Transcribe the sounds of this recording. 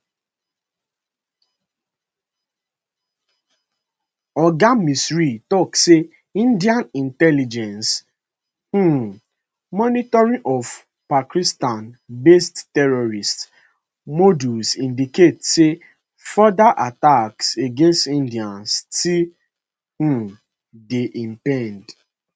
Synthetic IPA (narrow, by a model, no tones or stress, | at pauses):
ɔɡamisɹitɔkse | ĩndiãnĩntɛlid͡ʒɛ̃ns | hũ | mɔnitɔɹĩʔɔf | pakistãnbesttɛɹɔɹist | modusĩndiketse | fɔdaʔatakseɡẽnstĩndiãnsti | hũ | deʔĩmpɛ̃nd